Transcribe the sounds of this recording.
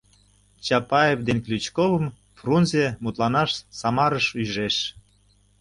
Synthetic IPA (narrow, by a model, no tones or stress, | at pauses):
t͡ɕɑpɑevd̪enklʲyt͡ɕkoβəm | frunzemut̪lɑnɑʃsɑmɑɾəʃyʑʒeʃ